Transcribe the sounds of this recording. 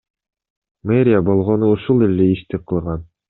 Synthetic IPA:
meɾʲɪabolˠʁɔnuuʃulˠilːɘiʃt̪ɘqʰɯ̆lˠʁɑn

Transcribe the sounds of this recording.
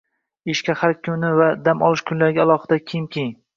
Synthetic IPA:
ɪʃkʲahaɾkʲʰʊnɪvad̪amɒ̰lˠɪʃkʲʰʊnlaɾɡʲaːlˠɒχɨd̪akʲʰejɪmkʲʰejŋ

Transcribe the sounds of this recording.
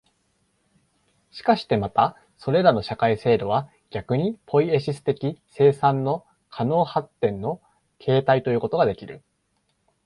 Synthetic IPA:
ɕi̥kaɕi̥t̪e̞mat̪a | so̞ɾe̞ɾano̞ɕakaise̞ːd̪o̞βa | ɡ̥ʲakɯ̟ɲ̟ipʰo̞ie̞ɕisɨ̥t̪e̞kʲise̞ːsãnːo̞ | kʰano̞ːhat̪ːẽ̞nːo̞ | kʰe̞ːt̪ait̪o̞jɯ̟ːko̞t̪o̞ɡad̪e̞kʲiɾɯ̟̰

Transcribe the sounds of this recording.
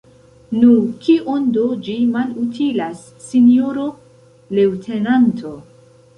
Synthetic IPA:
nukiʔondod͡ʒimalutʰilasːinjoɾo | lewtʰenantʰo

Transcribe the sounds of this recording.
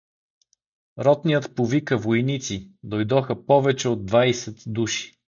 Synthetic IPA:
ɾɔt̪nijət̪povikəvojnit̪sid̪ojd̪ɔxəpɔvɛt͡ʃɛod̪̚d̪ːvajsɛt̪d̪uʃi̥

